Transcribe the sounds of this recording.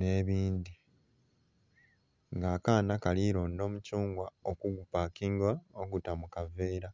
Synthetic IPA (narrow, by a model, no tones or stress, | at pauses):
ne̞ːβiːnd̪i | ŋɡaːkaːnakaliɾoːndo̞ːmucuːŋɡwaokuɡupakiŋɡaoɡutamukave̞ːɾa